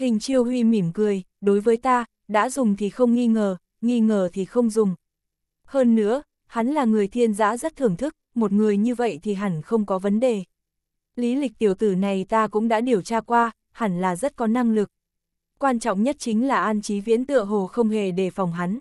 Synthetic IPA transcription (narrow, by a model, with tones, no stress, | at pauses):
hï˨˩ŋ̟t͡ɕi˧əwhwi˧mi˧˩mkɨ˨˩əj | ɗo˨˦jvəː˨˦jt̪aː˧ | ɗa̰ː˧˥zʊ˨˩ŋ͡mt̪ʰi˨˩xə˧wŋ͡mŋi˧ŋəː˨˩ | ŋi˧ŋəː˨˩t̪ʰi˨˩xə˧wŋ͡mzʊ˨˩ŋ͡m | həː˧nːɨ̰˧˥ə | ha˨˦nlaː˨˩ŋɨ˨˩əjt̪ʰi˧ənza̰ː˧˥zə˦˥t̚t̪ʰɨ˨˩əŋt̪ʰɨ˦˥k̚mo˨˩t̚ŋɨ˨˩əjɲɨ˧və̰˧˨jt̪ʰi˨˩ɦa˨˩nxə˧wŋ͡mkɔ˨˦və˨˦nɗe˨˩ | li˨˦lï˨˩k̚t̪i˧˩əwt̪ɨ˧˩na˨˩jt̪aː˧kʊ̰˧˥ŋ͡mɗa̰ː˧˥ɗi˨˩əwt͡ɕaː˧kwaː˧ | ha˨˧˩nlaː˨˩zə˦˥t̚kɔ˨˦na˧ŋlɨ˨˩k̚ | kwaː˧nt͡ɕɔ̰˧˨wŋ͡mɲə˦˥t̚t͡ɕï˨˦ŋ̟laː˨˩ʔaː˧nt͡ɕi˨˦vḭ˧˥ənt̪ɨ̰˧˨əɦo˨˩xə˧wŋ͡mɦe˨˩ɗe˧˩fɔ˨˩wŋ͡mɦa˨˦n